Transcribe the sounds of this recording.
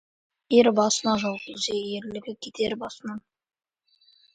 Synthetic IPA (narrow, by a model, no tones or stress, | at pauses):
eɾbɑsənɑʒɑlˠʁəzejeɾlɪɡʲɪkʲʰet̪ʰeɾbɑsənɑ